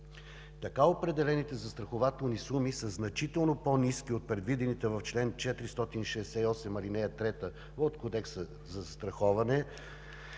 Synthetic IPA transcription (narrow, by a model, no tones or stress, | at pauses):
t̪ɐkaopɾɛd̪ɛlɛnit̪ɛzɐst̪ɾɐxovat̪ɛlˠnisumisəznɐt͡ʃit̪ɛlˠnoponiskiot̪̚pɾɛd̪vid̪ɛnit̪ɛvɐft͡ʃlɛnt͡ʃɛt̪ɾist̪ɔt̪inʃɛːsɛiɔsɛmɐlinɛɐt̪ɾɛt̪ə | ot̪kod̪ɛksə | zɐst̪ɾɐxɔvɐnɛ